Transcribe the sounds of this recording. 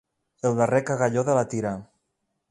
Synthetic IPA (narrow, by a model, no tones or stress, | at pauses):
elˠðarekaɣaʎoðelat̪iɾa